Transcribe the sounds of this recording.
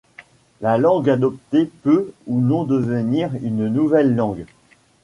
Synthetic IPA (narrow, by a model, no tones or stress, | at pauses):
lalɑ̃ɡad̪ɔp̚t̪epøunɔ̃d̪əvəniʁynnuvɛlːɑ̃ɡ